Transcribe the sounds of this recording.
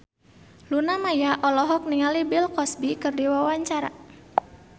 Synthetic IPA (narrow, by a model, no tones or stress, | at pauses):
lunamajaʔɔlɔɦɔk̚niŋalibilkɔsbikɨrdiwawaɲt͡ʃaɾa̰